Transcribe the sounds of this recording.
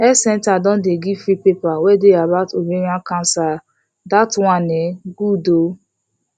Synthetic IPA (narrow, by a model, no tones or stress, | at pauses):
ɛsɛ̃ntadɔ̃ndeɡifɾipepawedeabatobeɾiãkãnsa | datwãneɡudo